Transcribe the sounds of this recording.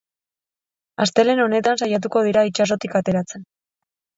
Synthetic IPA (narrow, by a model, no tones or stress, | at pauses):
ast̪e̞le̞no̞ne̞t̪ansajat̪̬uko̞ð̞iɾait͡ʃaso̞t̪ikat̪e̞ɾat͡se̞n